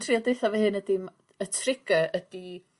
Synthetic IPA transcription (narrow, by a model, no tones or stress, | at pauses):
tʰriɔdejθavəhɨnədɪm | ətʰrɪɡ̥əʔədi